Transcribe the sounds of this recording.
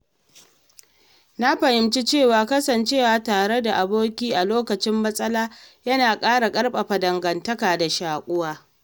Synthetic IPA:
na˦ɸɐ˨hɪ˨mt͡ʃi˦t͡ʃeː˦˨waː˨kɐ˦sɐ˨nt͡ʃeː˦˨waː˨taː˨ɽe˦da˨ʔa˨boː˦kʲiː˦ʔa˨loː˦kɐ˨t͡ʃɪ˦mːɐ˦sʼɐ˦laː˦jɐ˦naː˨kʼaː˦ɽa˨kʼɐ˦ɽɓʼɐ˨ɸa˨dɐ˨ŋɡɐ˨ntɐ˦kaː˨da˨ʃaː˨kʷʼʊ˦waː˦

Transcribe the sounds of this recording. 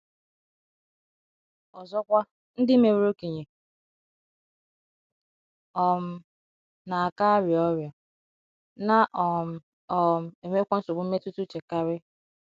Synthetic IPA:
ɔ˨zɔ˦kʷa˦ | n̩˦dɪ˦me˨we˦ɾo˦ki˨ɲe˨ | ɔ˨m̩˦ | na˨a˨ka˦ɾjɔ˦ɾjɔ˨ | na˦ʔ | ɔ˨m̩˨e˨me˦kʷa˦n̩˦sʊ˨bʊ˨˦m̩˦me˦tu˦tu˦t͡ʃe˨ka˦ɾɪ˦

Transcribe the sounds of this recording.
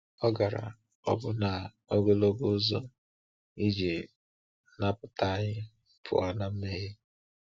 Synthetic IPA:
ɔ˦ɡa˨ɾa̰˨ | ɔ˨bʊ˦na˨ | o˦ɡo˦lo˦ɡo˦zo˦ | i˦d͡ʒi˨ | na˦pʊ˨ta˦˨ɲɪ˦ | pʰʊ̰˨a˨na˦m̩˦me˦ɦe˦

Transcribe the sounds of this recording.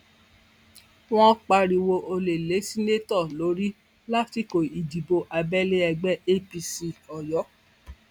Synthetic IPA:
w̃ɔ̃˦k͡pa˧ɾi˧wo˧ʔo˧le˨le˨˦si˦ne˦tɔ˦˨lo˨˦ɾi˦ | la˦ti˦˨ko˨i˨di˨bo˧ʔa˧bɛ˦le˦ɛ˧ɡ͡bɛ˦e˦pi˧si˧ɔ˨jɔ˨˦

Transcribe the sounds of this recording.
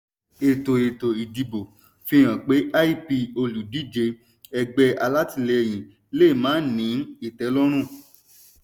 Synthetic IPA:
e˨to˨e˨to˨i˨di˨bo˨ | fĩ˧˦j̃ã˨k͡pe˨˦ʔa˦i˦pi˧o˧lu˨di˦˨d͡ʒe˧ | ɛ˧ɡ͡bɛ˧˦ʔa˧la˦ti˦˨le˧j̃ĩ˨ | le˦˨mãː˨˦n̩˦˨nĩ˨˦i˦˨tɛ˨˦lɔ˦ɾ̃ũ˦˨

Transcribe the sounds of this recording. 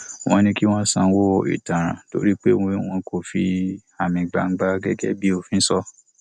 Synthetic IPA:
w̃ɔ̃˧˦nĩ˧ki˦w̃ɔ̃˦sã˧wo˦˨ḭ˨tã˨ɾ̃ã̰˨to̰˦ɾi˦k͡pe˦w̃w̃ɔ̃˧ko˨fi˧a˨mĩ˨ɡ͡ba˨ŋ͡m̩˦ɡ͡ba˧ɡɛ˦ɡɛ˦bi˦o˧fĩ˦sɔ˧

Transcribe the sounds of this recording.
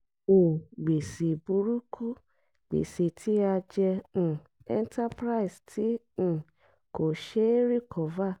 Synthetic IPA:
ũ˨ɡ͡be˨si˨bu˨˦ɾu˦kʰu˦ | ɡ͡bḛ˨si˨tʰi˦a˧d͡ʒɛ̃˧˨ | ɛ˦n˦ta˦pɾa˦i˨stʰĩ˨˦˨ | ko˨ʃe˦ɾi˦˨kʰɔ˨va˦˨

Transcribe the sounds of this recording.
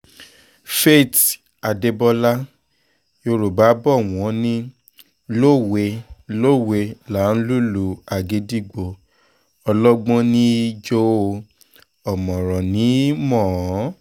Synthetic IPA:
fe˦˨t | a˨de˧bɔ˧la˦ | jo˧ɾo˨ba˨˦bɔ˦˨w̃ɔ̃˨˦nĩ˦ | lo˦˨we˧lo˦˨we˧la˨˦n̩˦lu˦lu˨a˨ɡe˨˦di˦˨ɡ͡bo˨ | ɔ˧lɔ˦ɡ͡bɔ̃˦nĩ˦d͡ʒo˦˧ | ɔ˨mɔ̃˨ɾɔ̃˨nĩ˨˦mɔ̃˦˨˦

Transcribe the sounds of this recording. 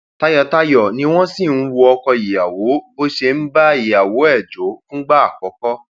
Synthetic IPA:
ta˦jɔ˦˨ta˦jɔ˨nĩ˧˦w̃ɔ̃˦sĩ˦˨n̩˦wu˧ɔ˧kɔ˧i˨ja˨wo˨˦bo˦ʃe˧n̩˦ba˦i˨ja˨wo˨˦ɛ˦˨d͡ʒo˨˦fũ˦ɡ͡ba˦a˦˨kɔ˨˦kɔ˦

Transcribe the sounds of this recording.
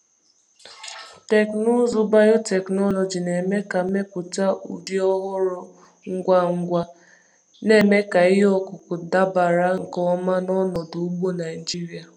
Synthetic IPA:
te˨knʊ˦zʊ˨ba˦jo˦te˨knɔ˦nɔ˨d͡ʒi˨ne˨me˦ka˨˦me˦pʊ˨ta˦ṵ˨di˦ɔ˦ɦʊ˦ɾʊ˨ | ŋ̩˦ɡʷa˦ŋ̩˦ɡʷa˦ | ne˨me˦ka˨ɪ˦ɦɔ˦kʊ˨kʊ˨da˦ba˨ɾa˦ŋ̩˨kɔ˦ma˦nɔ˦nɔ˨du˨u˦bu˦na˨ɪ˨d͡ʒi˦ɾi˦a˨

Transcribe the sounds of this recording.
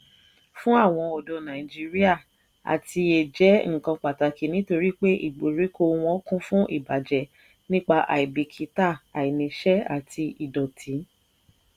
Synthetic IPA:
fũ˦a˦˨w̃ɔ̃˧ɔ˨dɔ˨nã˨ĩ˨d͡ʒi˦ɾi˦a˦˨ | a̰˨ti˧e˨d͡ʒɛ˨˦ŋ̩̃˦˨kã˧k͡pa˨ta˨ki˨˦nĩ˨˦to˧ɾi˦k͡pe˦ʔḭ˦˨ɡ͡bo˨ɾi˨˦ko˧w̃ɔ̃˦kũ˦fũ˦ʔḭ˦˨ba˨d͡ʒɛ˨ | nĩ˦k͡pa˧ʔa̰˨i˨bi˨kʰi˨˦ta˦˨a˨i˨nĩ˨ʃɛ˦a˨tʰi˧i˨dɔ˨tʰĩ˨˦

